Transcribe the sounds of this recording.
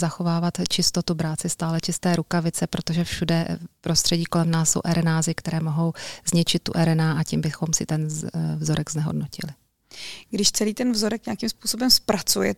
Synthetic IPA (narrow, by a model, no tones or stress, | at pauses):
zaxo̞vaːvat̪t͡ʃɪst̪o̞t̪ubɾaːt͡sɪst̪aːlɛt͡ʃɪst̪ɛːɾukavɪt͡sɛpɾot̪o̞ʒɛfʃudɛpɾo̞st̪r̝̥ɛɟiːko̞lɛmnaːsːo̞̰wʔɛɾʔɛnaːzɪkt̪ɛɾɛːmo̞ɦo̞wzɲɪt͡ʃɪt̪̚ːṵʔɛɾɛnaːʔacimbɪxo̞msɪt̪ɛnvzoɾʔɛɡznɛɦo̰dnocɪ̰lɪ | ɡdɪʃt͡sɛliːt̪ɛnvzoɾɛkɲeakimspuːso̞bɛmspɾat͡sujɛ̰